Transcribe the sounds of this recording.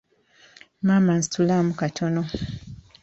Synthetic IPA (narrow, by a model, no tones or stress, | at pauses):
maman̩stulamukatʰono